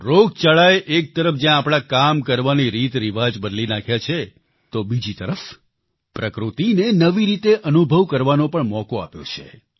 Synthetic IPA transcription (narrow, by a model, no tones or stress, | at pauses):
ɾoɡ̚t͡ʃaɭaeʔek̚t̪əɾəfd͡ʒjãːpɽ̃akamkəɾʋaniɾit̪ɾiʋad͡ʒbəd̪linakʰjat͡ʃʰe | t̪obid͡ʒit̪əɾəf | pɾəkɾut̪inenəʋiɾit̪eʔənubʱəʋkəɾʋanopəɳmɔkoa̰pjo̰t͡ʃʰḛ